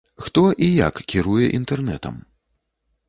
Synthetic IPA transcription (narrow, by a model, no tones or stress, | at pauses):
xt̪ɔʔija̰kːʲiɾujɛʔint̪ɛrnɛt̪ɐ̰m